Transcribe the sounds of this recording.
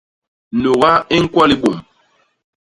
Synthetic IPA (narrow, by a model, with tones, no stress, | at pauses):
no˨ɣa˦e˦ŋ̩˦kwɔ˦li˦bo˨m